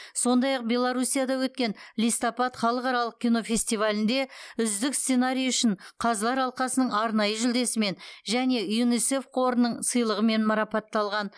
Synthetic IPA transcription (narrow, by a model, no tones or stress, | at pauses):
so̞nd̪ɑjɑq̚bʲe̞lˠaɾusʲijad̪ɑwɵt̪̚kʲe̞nlijst̪opɑt̪χɑlˠəqɑɾɑlˠəq̚kʲijno̞fʲe̞sʲt̪ijvalʲɪnd̪e̞ʏzd̪ɪksse̞naɾʲijʏʃɪɴqʰɑzlˠɑɾɑlˠqɑsənəɴɑɾnɑjəʒʏld̪e̞sɪme̞nʒæne̞junise̞fqʰo̞ɾnəɴsəjlˠəʁəme̞nmɑɾɑpɑt̪ːɑlˠʁɑn